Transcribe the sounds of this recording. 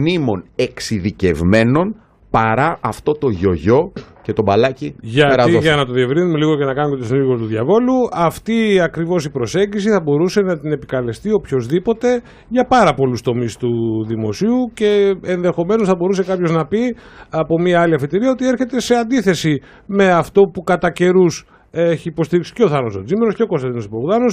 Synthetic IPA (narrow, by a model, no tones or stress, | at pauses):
nimo̞ne̞ksiðice̞vme̞no̞n | pɐɾɐʔɐft̪o̞t̪o̞ʝo̞ʝo̞ce̞t̪o̞bɐlɐciʝɐtɾɐiʝɐnɐt̪o̞ðie̞vɾinume̞liɣo̞cenɐkɐnumt̪osniɣot̪uðʝɐvo̞luɐft̪iɐkɾivo̞sipɾo̞se̞ɲɟisiθɐbo̞ɾuse̞nɐt̪ine̞pikɐle̞st̪io̞pço̞zðipo̞t̪e̞ | ʝɐpɐɾɐpo̞lust̪o̞mist̪uðimo̞̰siuce̞enðe̞xo̞me̞no̞sθɐbo̞ɾuse̞kɐpço̞znɐpiɐpo̞miɐɐliɐfit̪iɾiɐot̪ieɾçe̞t̪e̞se̞ɐnd̪iθe̞si | me̞ɐft̪o̞pukɐt̪ɐce̞ɾus | eçiːpo̞st̪iɾiksi̥ce̞o̞θɐnosod͡zimeɾosceo̞ko̞st̪eðinosipoɣðɐnos